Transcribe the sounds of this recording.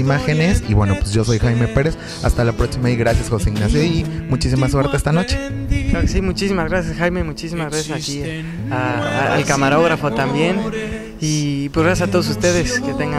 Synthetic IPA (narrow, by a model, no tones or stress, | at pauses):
imaxe̞nesḭβwe̞no̞pweszʝo̞so̞jxajme̞pe̞ɾes | a̰st̪alapɾo̞ksimaiɣɾasjasxo̞seiɣnasjoimut͡ʃis̬imaswe̞ɾt̪eest̪ano̞t͡ʃeklaɾokesimut͡ʃisimazɣɾasjasxajmemut͡ʃisimazɣɾasjasaki | aa̰lkamaɾo̞ɣɾafot̪ambje̞n | ipwezɣɾasjasat̪o̞ðos̬ust̪e̞ðesket̪eŋɡa